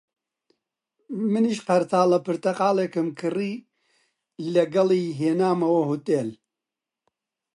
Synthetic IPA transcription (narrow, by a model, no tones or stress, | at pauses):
mɨniʃqɐɾt̪ʰaːlɐpɨɾt̪ɐqaːleːkɨmkʰɨriː | lɐɡɐliːɦeːnaːmɐwɐhut̪ʼeːl